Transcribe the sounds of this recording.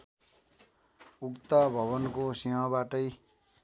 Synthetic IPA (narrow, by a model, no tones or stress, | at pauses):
ukt̪abʱʌβʌnkosiɦʌ̃baʈʌj